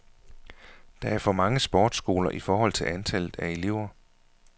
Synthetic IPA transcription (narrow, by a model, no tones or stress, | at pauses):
d̥ɑ̈æɐfɒ̽mɑ̈ŋəsb̥ɒːd̥sɡ̥o̝ːlɐʔifɒːhɒ̽l̰t͡sʰe̝lænt͡sʰæl̰ð̩ˠæe̝le̝ʊ̰ɐ